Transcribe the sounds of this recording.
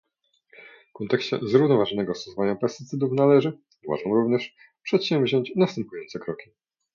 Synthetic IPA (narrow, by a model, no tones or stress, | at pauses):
fkɔnt̪ɛkɕt͡ɕɛ̰zɾuvnɔvaʐɔnɛɡɔsɔsɔvaɲapɛst̪ɘt̪sɘd̪ufnalɛʐɘ | va̰ʐamɾuvɲɛʂ | pʂɛt̪ɕɛmvʑɔɲt͡ɕnast̪ɛmpujɔnt̪sɛkɾɔkʲi